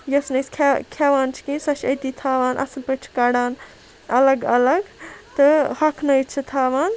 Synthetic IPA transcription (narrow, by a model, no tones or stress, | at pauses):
jɐsnɐskʰkʰaːʋaːnt͡ʃʰi̥kinsɐt͡ʃʰɐjt̪it̪ʰaːʋaːnʔɐ̰slpɐʈʰkaːɽaːn | ɐlɐɡɐlɐɡt̪ɨhɐkʰnɐjt͡ʃʰit̪ʰaːʋaːn